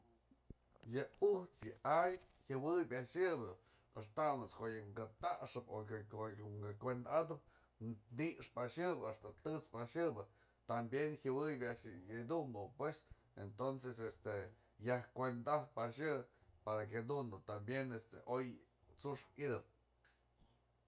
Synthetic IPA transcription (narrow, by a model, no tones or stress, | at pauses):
jɨuht͡sjɨajhɨwɨjbʲaʔʂjɨbɨ | as̬t̪amoskoʔjɨŋɡat̪aʔʂɨpokoŋɡakʷend̪ad̪ɨp̚ | niʔʂpaʃɨbɨast̪at̪ɨt͡spaʃɨbɨ | t̪ambjenhɨwɨjbʲaʔʂid̪und̪opwes | ent̪onsesest̪e | jahkʷend̪ahpaʃɨpaɾaked̪und̪ut̪ambjenest̪ḛʔoj | t͡suʂpid̪ɨp̚